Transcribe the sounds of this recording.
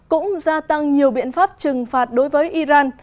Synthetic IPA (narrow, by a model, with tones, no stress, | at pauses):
kʊ̰˧˥ŋ͡mzaː˧t̪a˧ŋɲi˨˩əwɓḭ˧˨ənfaː˦˥p̚t͡ɕɨ˨˩ŋfaː˨˩t̚ɗo˨˦jvəː˨˦jʔi˧zaː˧n